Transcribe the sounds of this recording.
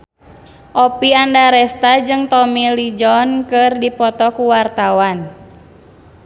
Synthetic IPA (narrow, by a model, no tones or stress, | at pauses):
ʔɔpiandaɾɛst̪ad͡ʒɨŋt̪ɔmilid͡ʒɔnkɨrdipɔt̪ɔkuwart̪awan